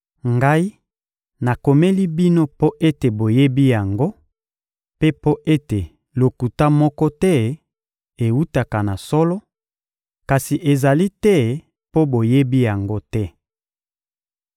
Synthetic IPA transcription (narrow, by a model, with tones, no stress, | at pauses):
ŋɡa˦i˦ | na˨ko˨me˦li˦bi˦no˦po˦ʔe˦te˨bo˨je˦bi˦ja˨ŋɡo˦ | pe˦po˦ʔe˦te˨ | lo˨ku˨ta˦mɔ˦kɔ˦tɛ˦ | e˨wu˦ta˨ka˨na˨sɔ˦lɔ˦ | ka˨si˨ʔe˨za˨li˦tɛ˦ | po˦bo˨je˦bi˦ja˨ŋɡo˦tɛ˦